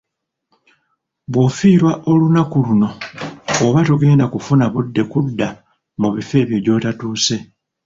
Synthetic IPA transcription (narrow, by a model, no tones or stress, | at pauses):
βwofiːɾwaʔo̞lunakuluno̞ː | βatuɡe̞nakufunaβudːe̞kudːa | muβife̞ːβjo̞jɟo̞ːtatuːse̞